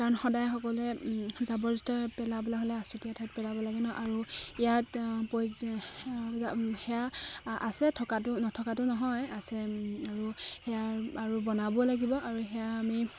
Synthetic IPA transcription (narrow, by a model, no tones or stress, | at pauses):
kaɹɔnxɔdajxɔkɔlɛzabɔɹzitɔpɛlabɔlaɦolɛasutijatʰat̚pɛlabɔlaɡɛnɔʔaɹuijatpo | ahɛjaasɛtʰɔkatʊnɔtʰɔkatʊnɔɦɔjasɛaɹuhɛjaaɹubɔnabɔlaɡibɔʔaɹuxɛjaːmi